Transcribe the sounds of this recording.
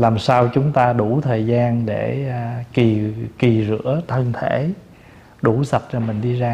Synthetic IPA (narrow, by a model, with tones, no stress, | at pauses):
laː˨˩msaː˧wt͡ɕʊ˨˦ŋ͡mt̪aː˧ɗu˧˩t̪ʰəː˨˩jzaː˧nɗe˧˩ki˨˩ki˨˩zɨ̰˧˥ət̪ʰə˧nt̪ʰe˧˩ | ɗu˧˩sə˨˩p̚t͡ɕɔ˧˩mï˨˩ŋ̟ɗi˧zaː˧